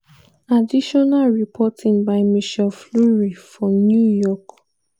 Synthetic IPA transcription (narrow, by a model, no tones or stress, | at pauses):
adiʃɔnalɹipʰɔtʰĩŋbaɪmiʃɛlfluɹifɹɔ̃mnjujɔk